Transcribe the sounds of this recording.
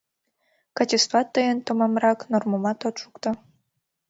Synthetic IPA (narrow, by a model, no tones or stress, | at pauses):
kɑt͡ɕʲest̪ɑt̪ːəjənt̪omɑmɾɑknormomɑt̪ot̪ʃukt̪o